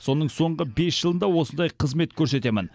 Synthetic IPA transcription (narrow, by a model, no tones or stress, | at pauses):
so̞nəɴso̞ɴʁəbe̞sʒ̥əlˠənd̪ɑwo̞sənd̪ɑjqʰəzme̞t̪kʲʰɵɾse̞t̪e̞mɪn